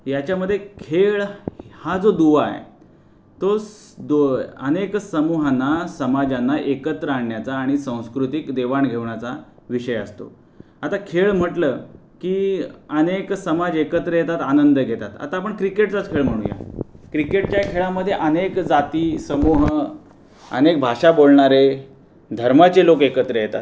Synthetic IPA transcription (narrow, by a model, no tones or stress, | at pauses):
jat͡ɕjaməd̪ʱːjekʰeɭhad͡zod̪uʋa̰jḛ | t̪o | d̪oə̰neksəmuɦanːasəmad͡ʑanːaʔekət̪ɾəaɳːjat͡saːɽ̃isə̃w̃skɾut̪ikd̪eʋaɳɡʱeʋɳat͡sa | ʋiɕəjə̰st̪o̰ | at̪akʰeɭm̤əʈləː | kiːəneksəmad͡zekət̪ɾəjet̪at̪anənd̪əɡʱet̪at̪a̰t̪aːp̬əɳkɾikeʈt͡sat͡skʰeɭm̤əɽ̃ṵ̃ja̰kɾikeʈ̚t͡ɕjakʰeɭaməd̪ʱːjeʔənekd͡zat̪isəmuɦ | ə̰nek̚bʱaʂabolɳaɾe | d̪ʱəɾmat͡selokekət̪ɾəjet̪a̰t̪